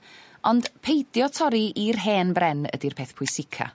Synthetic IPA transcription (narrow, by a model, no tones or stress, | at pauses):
ɔnd̥pʰejdjɔtʰɔɾiirɦeːnbrɛnə̰dirpʰeːθpʰʊjsɪkʰa̰